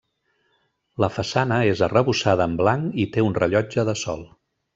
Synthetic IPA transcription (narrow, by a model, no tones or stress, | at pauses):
ləfəsanəezərəβusaðəːmblaŋkit̪eunrəʎɔd͡ʒəðəsɔ̰lˠ